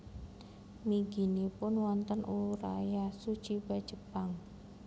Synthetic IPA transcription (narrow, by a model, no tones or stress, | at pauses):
miɡi̤nipʊnwɔnt̪ənʔuɾa̰jasut͡ʃiba̤̥d͡ʒ̥əpaŋ